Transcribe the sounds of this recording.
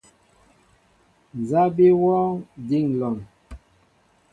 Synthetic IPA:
n˨za˦bi˦wɔː˦di˦˨ŋlɔ˨ŋ

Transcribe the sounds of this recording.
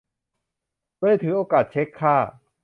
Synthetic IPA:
oː˥˩˨jt̪ʰɯː˩˦ʔoː˧kaː˨˩t̪̚t͡ɕʰe˦˥kʰːaː˥˩

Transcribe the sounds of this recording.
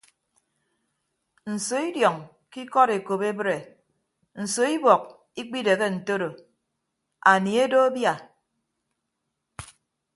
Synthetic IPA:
n̩˨so˨i˦djɔ˨ŋ | ki˦kɔ˦ɾe˨ko˨pe˦bɾe˨ | n̩˨so˨i˦bɔ˨k̚ | i˦k͡pi˦de˨ɣe˦n̩˨to˦ɾo˨ | a˨ni˨e˦do˦bja˦˨

